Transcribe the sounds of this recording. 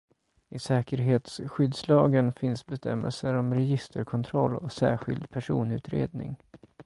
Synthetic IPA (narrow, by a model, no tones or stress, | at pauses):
ɪsɛːkəɾɦeːt̪sɧʏd̪slɑːɡənfɪnsbɛst̪ʰɛmːə̰lsəɾɔmɾɛjɪst̪ʰəɾkʰɔnt̪ʰɾɔlːɔsæːɧɪ̰ld̪pʰæʂuːnʉ̟ːt̪ɾḛːd̪̚nɪ̰ŋ